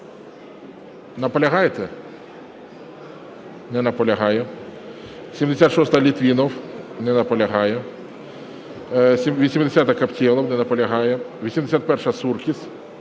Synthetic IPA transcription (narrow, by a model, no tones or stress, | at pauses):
nɐpɔlʲɐɦajet̪ɛ | nɛnɐpɔlʲɐɦɑjɛ | sʲimd̪esʲat̪ʃɔst̪ɐlʲit̪ʋʲinɔwnɛnɐpɔlʲɐɦɑjɛ | sʲimʋʲisʲimd̪esʲat̪ɐkɐptʲilˠɐwnɛnɐpɔlʲɐɦɑjɛʋʲisʲimd̪esʲat̪̚pɛrʂɐsurkʲis